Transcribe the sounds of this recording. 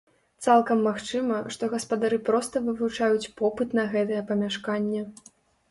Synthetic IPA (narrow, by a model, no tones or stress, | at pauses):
t̪salˠkɐmːaxt͡ʂɨmɐʂt̪ɔɣɐspɐd̪aɾɨpɾɔst̪ɐvɨvut͡ʂajut͡sʲpɔpɨt̪nɐɣɛt̪ɐjɛpɐmʲaʂkanʲːɛ